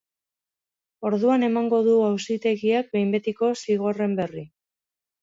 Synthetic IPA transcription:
o̞ɾðuane̞maŋɡo̞ðuawsit̪e̞ɣiak̚be̞jmbe̞t̪iko̞siɣ̞o̞re̞mbe̞ri

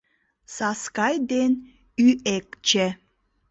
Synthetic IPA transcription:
saskɑjd̪en | yekt͡ʃe

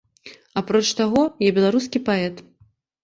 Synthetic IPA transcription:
apɾɔt͡ʂt̪aɣɔjɛbʲɛlˠaɾuskʲipaɛt̪

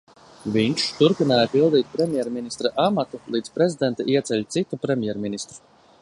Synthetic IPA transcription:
vʲiɲʃt̪uɾpinaːjapilˠd̪iːt̪̚pɾemʲjɛɾminist̪ɾaʔamat̪ulˠiːd̪zpɾezid̪ɛnt̪aʔiɛt̪sɛʎʲt̪sit̪upɾemʲjɛɾminist̪ɾu̥

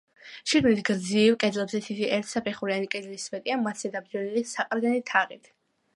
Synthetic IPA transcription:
ʃiɡmit̪ʰɡɾd̪ziːvkʼɛd̪zlˠɛbzɛsʰit̪ʰiʔɛɾt̪ʰsapʰɛχuɾianikʼɛd̪lismɛt̪ʼiamat̪ʰszɛd̪ab̚d͡ʒɛnilisaqʼɾɡ̪ɛnit̪ʰaʁit̪ʰ

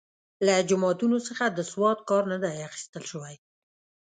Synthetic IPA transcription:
lad͡ʒʊmɑt̪unosəxad̪əswɑt̪̚kɑɾnad̪ajaxi̥st̪əlʃəwaj

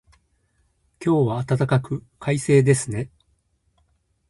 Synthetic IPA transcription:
kʲo̞ːβaːt̪at̪akakɯ̟kʰaise̞ːd̪e̞sɨne̞

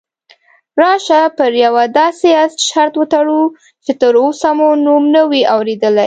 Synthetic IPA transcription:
ɾɑʃapəɾjawad̪ɑseaʃaɾt̪wət̪aɽu | t͡ʃet̪əɾosamunumnəwiawɾed̪əlaj

